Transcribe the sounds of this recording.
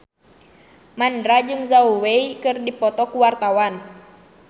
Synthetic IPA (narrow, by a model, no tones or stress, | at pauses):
mandɾad͡ʒɨŋzauweikɨrdipɔt̪ɔkuwart̪awan